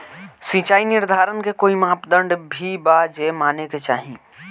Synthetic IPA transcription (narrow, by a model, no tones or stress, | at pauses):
sĩːt͡ʃaːinɪɾd̪ʱaːɾənkekoːimaːpd̪ə̃ɳɖbʱibaːd͡ʒemaːneket͡ʃa̰ːɦĩː